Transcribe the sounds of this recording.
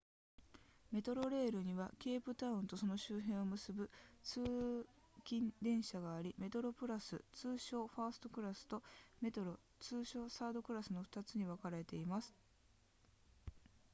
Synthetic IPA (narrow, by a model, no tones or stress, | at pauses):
me̞t̪o̞ɾo̞ɾe̞ːɾɯ̟ɲ̟iβakʲe̞ːpɯ̟t̪aɯ̟̃nt̪o̞so̞no̞ɕɨːɦẽ̞ɰ̃o̞mɯ̟sɨbɯ̟t͡sɨː | kʲĩnd̪ẽ̞ɰ̃ɕaɡaːɾʲime̞t̪o̞ɾo̞pɯ̟ɾasɨ̰t͡sɨːɕo̞ːɸaːsɨ̥t̪o̞kɯ̟ɾasɨ̥t̪o̞me̞t̪o̞ɾo̞ | t͡sɨːɕo̞ːsaːd̪o̞kɯ̟ɾasɨno̞ɸɯ̟̥t̪at͡sɨɲ̟iβakaɾae̞t̪e̞imasɨ̥